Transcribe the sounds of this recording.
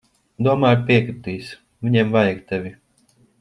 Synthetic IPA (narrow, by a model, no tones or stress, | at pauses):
d̪uɔmaːjɾpiɛkɾɨt̪iːs | vʲiɲɛmvajaɡt̪ɛvʲi